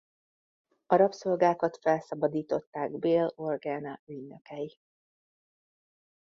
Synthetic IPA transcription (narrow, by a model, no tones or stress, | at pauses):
ɒɾɒpso̞lɡaːkɒt̪fɛlsɒbɒd̪iːt̪o̞t̪ːaːɡbeːlo̞rɡɛːnɒyɟnøkɛji